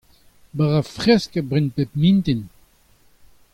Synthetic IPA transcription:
baʁafʁɛskəbʁinpet̚mĩnt̪in

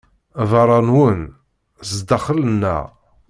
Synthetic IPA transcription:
vɑɾˤɑnwən | sd̪ɑχələnːæ̰

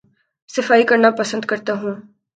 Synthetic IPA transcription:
sɐfaːikɐɾnapɐsə̃nd̪kɐɾt̪aɦũː

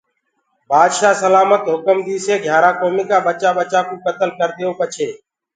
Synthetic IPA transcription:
baːd̪ʃaːsəlaːmət̪ɦʊkəmd̪iːseːɡʱjaːɾaːkoːmiːkaːbət͡ʃaːbət͡ʃaːkõːkət̪əlkəɾd̪ɪjoːpət͡ʃʰeː

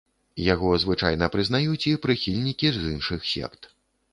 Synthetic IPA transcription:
jaɣɔzvɨt͡ʂa̰jnɐpɾɨznajut͡sʲipɾɨxʲilʲnʲikʲizɨnʂɨxsʲɛ̰kt̪

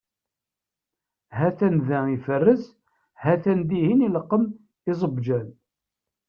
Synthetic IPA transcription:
ɦæθænðæifərːəz | hæθænd̪ihiniləqːəm | izˤəbd͡ʒæn

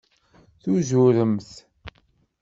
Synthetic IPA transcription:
θuzʊɾəmθ

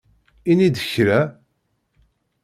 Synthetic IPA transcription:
inid̪əçɾæ

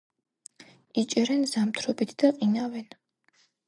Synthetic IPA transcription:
it͡ʃʼɛɾɛnzamt̪ʰɾɔbit̪ʰd̪̥aqʼinavɛn

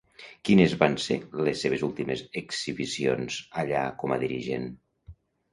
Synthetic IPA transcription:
kinezβansḛlesːeβ̞ezulˠt̪imezekz̥iβisionzaʎakɔma̰ðiɾiʒḛn

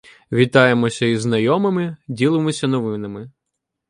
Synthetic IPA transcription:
ʋʲit̪ɑjemɔsʲɐiznɐjɔmɪmɪdʲilˠɪmɔsʲɐnɔʋɪnɐmɪ

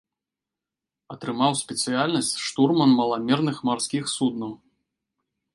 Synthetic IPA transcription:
ɐt̪ɾɨmawsʲpʲɛt̪sɨjalʲnɐsʲt͡sʲʂt̪urmɐnmɐlˠamʲɛrnɨxmarsʲkʲixsud̪nɐw

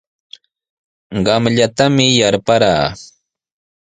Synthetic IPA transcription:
ɢɑmʎat̪amɪjaɾpaɾaː

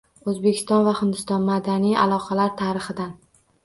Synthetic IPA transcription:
ɵzbe̞kʲʰɪst̪ɒnvahɪnd̪ɪst̪ɒnmad̪anija̰lˠɒqʰɑlaɾt̪ʰaɾɪχɨd̪an

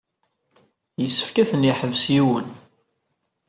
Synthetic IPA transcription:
jəsːə̥fkæθənjiħəvsjiwən

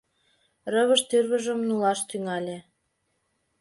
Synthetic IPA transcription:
rəβəʃt̪yrβə̆ʒə̆mnulɑʃt̪yŋɑlʲe

